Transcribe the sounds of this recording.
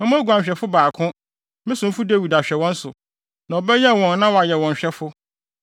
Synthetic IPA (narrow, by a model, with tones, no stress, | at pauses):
mɛ̃˦mã˦ɡu˨ã˨ɲ˨ɕᶣɛ˨fʊ˦baː˨kʰʊ̃˦ | mɪ̃˦sʊ̃˨m̩˦fu˦de˦˨wi˨da˨ɕᶣɛ˨wɔ̃˦n̩˦sʊ̰˨ | na˨ɔ˨bɛ˦jɛ˦˨wɔ̃˨nː˦ã˦wɔ˨a˨jɛ˨wɔ̃˨ɲ̩˨ɕᶣɛ˦fʊ˦